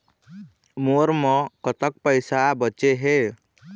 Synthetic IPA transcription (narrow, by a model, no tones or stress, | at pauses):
moːɾmə̃kət̪ək̚pəɪsabət͡ʃeɦe